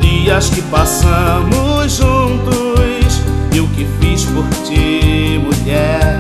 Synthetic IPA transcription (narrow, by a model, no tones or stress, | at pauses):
iɐskɪpasɐ̃mʊzʒũnt̪ʊs | eʊkɪfiʃpʊɾtimuʎɛɾ